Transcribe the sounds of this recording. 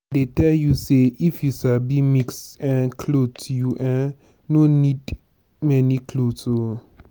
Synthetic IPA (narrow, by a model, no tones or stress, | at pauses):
detɛljuseifjusabimikstɛ̃nkʰlotʰujuʔɛ̃ | nonid | mɛnikʰloto